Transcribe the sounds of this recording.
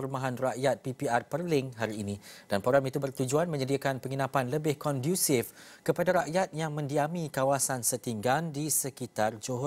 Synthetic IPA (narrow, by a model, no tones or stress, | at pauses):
rmãɦanraʔjat̪̚pipiarpərlɪŋɦaɾiːnĩd̥anpoɡamit̪ubərt̪ud͡ʒuanmə̃ɲədiakanpəŋinãpanləbɪhkɔndjusɪf | kəpadaɾaʔjat̪̚jaŋmə̃ndiamĩkawasansət̪iŋɡandisəkit̪ard͡ʒoɦ